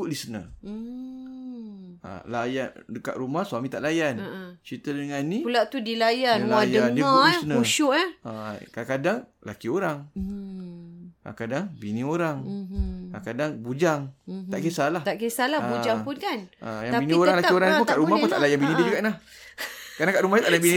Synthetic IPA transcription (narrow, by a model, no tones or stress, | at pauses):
uʔlisənə̰ | a̰lajadəka̰ʔ̪ɾumahsuamĩt̪aʔlajant͡ʃit̪ədəŋanĩpulaʔt̪udilajanlajəanŋdikaisənəuʃuʔaakakadaŋ | la̰kioɾaŋ | a̰kadaŋbinĩoɾaŋ | akadaŋbud͡ʒaŋt̪aʔkesalaht̪aʔkesalabud͡ʒaŋpunkanajabinioɾaŋlakioɾaŋnipuŋkaʔɾumaput̪aʔlajanbinididukaʔlah | kanaŋkaʔɾumahnit̪aʔdabini